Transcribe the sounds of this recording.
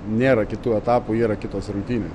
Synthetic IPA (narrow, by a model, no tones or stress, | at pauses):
nʲeːɾɐkʲɪt̪uːɛt̪ɑːpuiːɾɐkʲɪt̪oːsɾʊŋʲkt̪ʲiːnʲeːs